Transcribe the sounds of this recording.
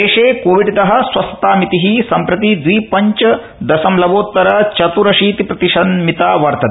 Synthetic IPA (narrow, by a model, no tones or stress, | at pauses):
eːʂeːkoːʋiɖit̪ɐɦɐ̆sʋɐsɐt̪aːmit̪iɦisɐmpɾɐt̪id̪ʋiːpɐɲt͡ʃɐ | d̪ɐsɐmlɐʋoːt̪ːɐɾɐt͡ʃɐt̪uɾɐʃiːt̪ipɾɐt̪iʃɐnmit̪aːʋɐɾt̪ɐt̪